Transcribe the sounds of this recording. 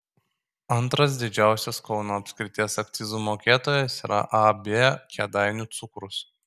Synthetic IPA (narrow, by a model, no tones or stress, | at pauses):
ɐnˑt̪ɾɐs̬d̪ʲɪd͡ʒʲæˑʊsʲɛskɒʊnoːɐpʲsʲkɾʲɪt̪ʲiɛsɐk̚t̪sʲɪzuːmoːkʲeːt̪oːjɛsiːɾʔɐ̰ʔɐbʲekʲɛd̪ɑɪnʲʊt̪sʊkɾʊs